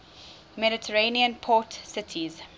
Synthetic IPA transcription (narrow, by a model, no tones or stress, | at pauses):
mɛɾɪtʰəɹẽniə̃npʰɔtsɪtʰiz